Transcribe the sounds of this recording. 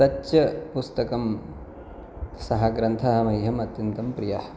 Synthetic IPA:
ɐt͡ʃːɐpust̪ɐkɐm | sɐɦɐɡɾɐnt̪ʰɐɦɐ̆mɐjɦɐmɐt̪jɐnt̪ɐmpɾijɐh

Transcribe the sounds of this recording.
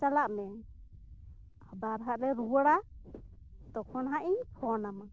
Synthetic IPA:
t͡ʃalaʔmɛ | hbaɾɦaʔɾɛɾuwəɽa | t̪ɔkʰɔnɦaʔiɲhʰɔnama

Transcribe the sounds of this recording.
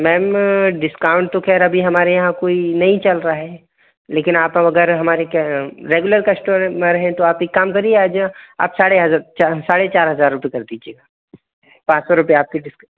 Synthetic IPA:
mɛːmɖɪskaːʊ̃ɳʈ̚t̪okʰɛːɾɐbʱiɦɐmaːɾejɐɦãkoːinɐɦĩt͡ʃɐlɾaɦɛː | leːkɪnaːpɐɐɡəɾɦɐmaːɾekɾeːɡʊləɾkɐsʈõmẽɾɐɦẽt̪oaːpekːaːmkɐɾieaːd͡ʒaa̰ːpsaːɽeɦɐat͡ʃasaːɽet͡ʃaːɾɦɐzaːɾːʊpekɐɾd̪iːd͡ʒieːɡaː | pãːt͡ʃsɔɾʊpeaːp̚kiɖɪs

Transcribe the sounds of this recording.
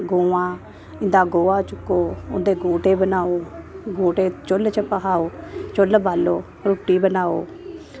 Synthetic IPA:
ɡoːʋãː | ɪ̃nd̪aːɡoːaːt͡ʃʊkːoːʊ̰nd̪eːɡoːʈeːbənaːoːɡoːʈeːt͡ʃʊlt͡ʃəpəɦaːoːt͡ʃʊlbaːloː | ɾʊʈiːbənaːo̰ː

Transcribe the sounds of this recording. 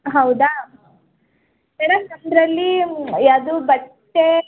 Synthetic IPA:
ɦɐwd̪a | ɐɾat̪ɐnd̪ɾɐlːijaːd̪ubɐʈːe

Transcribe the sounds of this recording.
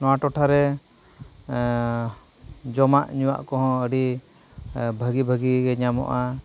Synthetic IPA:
nɔwaʈɔʈʰaɾɛ | d͡ʒɔmaʔɲuwa̰ʔkɔɦɔ̃əɖi | bʱəɡibʱəɡiɡɛɲamɔ̰ʔa

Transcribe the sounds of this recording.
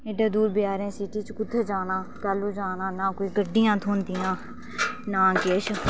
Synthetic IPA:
eɖaːd̪uːɾbɪjaːɾẽːsiʈiːt͡ʃkʊt̪ʰːəd͡ʒaːnãːkaːlːuːd͡ʒaːnãːnãːkoiːɡəɖɪjãːt̪ʰuːnd̪ɪjãː | nãːkeːʃ

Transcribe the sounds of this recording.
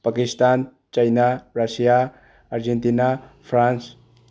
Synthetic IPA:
pakist̪an | t͡ʃajnaɾasijaː | ɾd͡ʒent̪inapʰɾans

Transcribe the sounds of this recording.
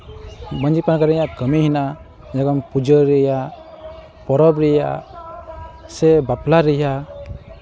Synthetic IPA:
bənd͡ʒipankaɾjakəmiɦina | d͡ʒaɡɔnpud͡ʒɔɾɛja | pɔɾɔbɾɛja̰ | sɛbaplaɾɛja

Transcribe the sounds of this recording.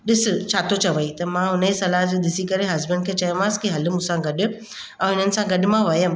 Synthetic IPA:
ɗɪsɪt͡ɕʰaːt̪ot͡ɕʰɐʋəit̪ɐmãɦʊnəisɐlaɦd͡ʑed̪ɪsikɐɾeɦɐzbəɳɖ̚kʰeːt͡ɕɐjə̃mãːskiɦɐlʊmũsãɡɐɗʊ̆ | ɛ̃ɦɪn̤ənɪ̆sãɡɐɗɪ̆mãʋɐjəm

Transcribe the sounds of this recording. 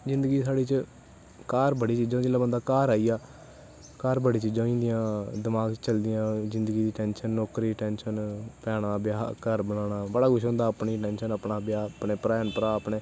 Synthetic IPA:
zɪ̃nd̪əɡiːsaːɽiːt͡ʃ | kaːɾbəɽiːt͡ʃiːd͡ʒãːd͡ʒeːlãːbənd̪aːkaːɾaːijaː | kaːɾbəɽiːt͡ʃiːd͡ʒãːĩːnd̪ɪjãːd̪ɪmaːɡt͡ʃt͡ʃəld̪ɪjãːzɪnd̪əɡiːd̪iːʈɛːnʃənːɔːkɾiːʈɛːnʃənpɛːɽãːbɪjaːkəɾbəɽ̃aːɽaːbəɽaːɡʊʃʰõːnd̪aːəpɳiːʈɛːnʃənəpɳaːbɪjaːpɳeːpɾaːənpɾaːəpɳeː

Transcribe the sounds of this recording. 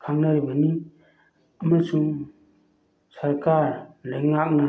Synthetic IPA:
kʰaŋnaɾibɐni | ɐmasuŋ | sɐɾkaɾleŋak̚na

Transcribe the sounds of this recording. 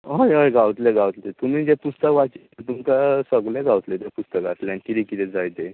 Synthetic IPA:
ɦojɦojɡawt̪leɡawt̪let̪um̤id͡ʑepust̪əkʋat͡ɕit̪et̪umkasəɡleɡawt̪let̪japust̪əkat̪leanikit̪ikit̪ed͡zajt̪e

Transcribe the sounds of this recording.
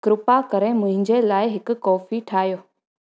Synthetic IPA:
kɾʊpakɐɾemʊ̃ɦɪ̃ɲd͡ʑelaːɪɦɪkʊ̆kɔːfiʈʰaːɦjoː

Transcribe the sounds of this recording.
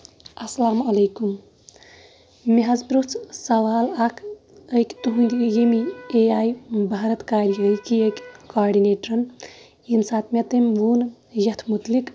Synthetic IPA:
ɐsɐlaːmɐleːkum | meɦɐzbɾut͡sʰsɐʋaːlakʰ | əjkt̪uɦũnd̪ijemieaːjbʱaɾɐt̪kaːɾijəikiekkaːɾɖineːʈɾɐn | insaːt̪met̪emʋuːn | jɐt̪ʰmut̪lik

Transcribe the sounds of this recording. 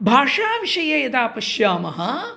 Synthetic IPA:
bʱaːʂaːʋiʂɐjɐjɐd̪aːpɐʃjaːmɐɦɐ

